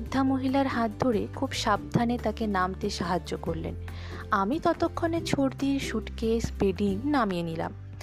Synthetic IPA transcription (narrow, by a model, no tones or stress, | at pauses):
d̪ʱːamoɦilaɾɦat̪̚d̪ʱoɾekʰubʃab̚d̪ʱanet̪akenamt̪eʃaɦad͡ʑːokoɾlḛn | amit̪ɔt̪okʰːonet͡ɕʰoɾd̪iɾʃuʈkespeɖiŋnamienila̰m